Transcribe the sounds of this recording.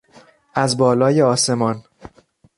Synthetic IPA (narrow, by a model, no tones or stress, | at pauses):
ʔæzbɒːlɒːjeɒːse̞mɒːn